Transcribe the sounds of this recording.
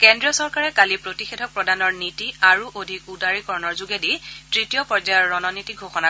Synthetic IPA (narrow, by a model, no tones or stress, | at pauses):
kɛndɹijɔsɔɹkaɹɛkalipɹotixedʱɔk̚pɹɔdanɔɹnitiaɹuʔodʱikudaɹikɔɹɔnɔɹzuɡeditɹitijɔpɔɹzajɔɹːɔnɔnitiɡʱoxɔna